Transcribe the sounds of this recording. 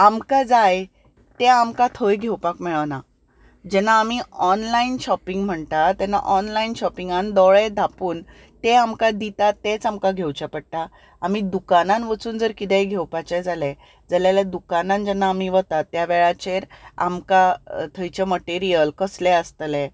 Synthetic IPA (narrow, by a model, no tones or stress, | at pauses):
amkad͡zaj | t̪eamkat̪ʰəjɡʱewpakmɛɭəʋna | d͡ʑɛnaːmiɔnlainɕɔpiŋɡm̤əɳt̪at̪ɛna̰ʔɔnlainɕɔpiŋɡand̪ɔɭɛd̪ʱapuːn | t̪eamkad̪it̪at̪ːet͡samkaɡʱewt͡ɕapəɽʈ̪a | amid̪ukananʋət͡suːnd͡zəɾkit̪ɛ̃jɡʱewpat͡ɕɛd͡zalɛ | d͡zaljalad̪ukanãnd͡ʑɛnːaːmiʋət̪at̪ːjaʋɛɭat͡ɕeɾa̰mkat̪ʰəjt͡ɕeməʈeɾijəlkəslɛəst̪lɛ